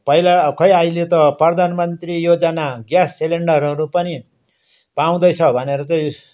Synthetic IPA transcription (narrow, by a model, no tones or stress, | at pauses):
pʌilakʰʌjajlet̪ʌprʌd̪ʱanmʌnt̪rijod͡zʌnaɡjasːeleɳɖʌɾʌɾupʌni | paw̃d̪ʌjt͡sʰʌbʱʌneɾʌt͡sʌj̃